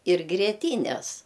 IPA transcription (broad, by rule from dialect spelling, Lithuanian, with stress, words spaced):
ɪr ɡrʲiɛˈtʲiːnʲɛs